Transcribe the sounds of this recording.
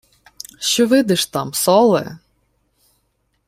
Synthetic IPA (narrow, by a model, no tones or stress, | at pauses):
ʃt͡ʃɔʋɪd̪ɪʃt̪ɑmsɔlˠɛ̰